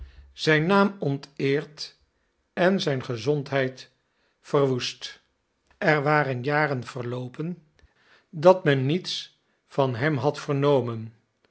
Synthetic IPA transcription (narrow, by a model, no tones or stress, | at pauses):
z̥ɛjnaːmɔntɪːɹt | ɛnzɛjnχəzɔntɦɛjt | fərʋust | ʔɛɹʋaːɾənjaːrənv̥ərlowpən | dɑtmɛnːits | fɑnɦɛmɦɑtfərnowmən